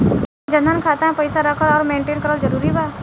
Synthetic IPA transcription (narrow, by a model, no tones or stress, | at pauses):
d͡ʒɐ̃nd̪ʱənkʰaːt̪aɦɛ̃pɐɪsaɾəkʰəɾɔːɾmẽːɳʈeːnkəɾəld͡ʒəɾuːɾibaː